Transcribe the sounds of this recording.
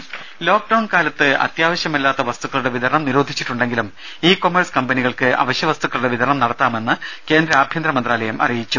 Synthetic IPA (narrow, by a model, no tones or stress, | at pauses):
lo̞ːk̚ɖɐwɳkaːlɐt̪ːɨɐ̰t̪jaːʋɐɕjɐmilːaːt̪ːɐʋɐst̪uɣːɐɭuɽe̞ʋid̪ʱɐɾɳɐmniɾo̞ːd̪ʱit͡ɕːiʈːuɳɖe̞ŋɡilum | iːko̞mɐrskɐmbɐniɣɐɭkɨɐ̰ʋɐɕjɐʋɐst̪uɣːɐɭuɽe̞ʋid̪ʱɐɾɳɐmnɐɽɐt̪ːaːme̞nːɨke̞ːnd̪ɾɐaːbʱjɐnd̪ɾɐmɐnd̪raːlɐjɐmʔɐ̰rijit͡ɕːu